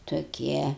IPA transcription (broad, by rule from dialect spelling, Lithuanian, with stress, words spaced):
toːˈkʲiɛ